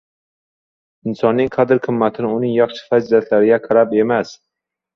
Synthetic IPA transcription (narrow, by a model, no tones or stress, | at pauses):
ɪnsɒnːɪŋqʰad̪ɪɾqʰɨmːat̪ʰɪnɪʊnɪŋjɑχʃɪ̥fazilat̪ʰlaɾɪɡʲaqʰɑɾape̞mas